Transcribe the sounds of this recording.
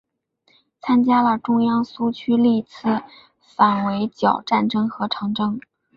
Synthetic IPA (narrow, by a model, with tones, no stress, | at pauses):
t͡sʰa˥nt͡ɕja˥lə˨ʈ͡ʂʊ˥ŋjɑ˥ŋsu˥t͡ɕʰy˥li˥˩t͡sʰɹ̩˥˩ | fa˨˩nwe˧˥ɪt͡ɕjɑ˨˩ʊʈ͡ʂa˥˩nʈ͡ʂɤ˥ŋxɤ˧˥ʈ͡ʂʰɤ˧˥ŋʈ͡ʂɤ˥ŋ